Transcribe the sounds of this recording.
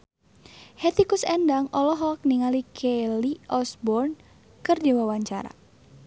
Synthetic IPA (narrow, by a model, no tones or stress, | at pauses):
hɛt̪ikusɛndaŋɔlɔɦɔk̚niŋalikʰɛliʔɔsbɔrn | kərd͡ʒawawaɲt͡ʃaɾa̰